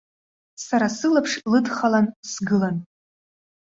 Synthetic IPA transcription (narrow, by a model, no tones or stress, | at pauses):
saɾasɨlapʰʂlɨdχalansɡɨlan